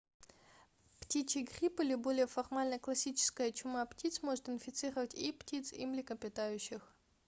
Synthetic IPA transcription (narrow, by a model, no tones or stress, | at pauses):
ptʲit͡ɕɪɡrʲipɨlʲɪbo̞lʲɪjəfɐrmalʲnəklˠɐsʲit͡ɕɪ̥skəjət͡ɕʊmaptʲit̪smo̞ʐɨt̪ɪnfʲɪt̪sɨɾəvətʲiptʲit̪sḭmlʲɪkəpʲɪt̪ajʉɕːɪx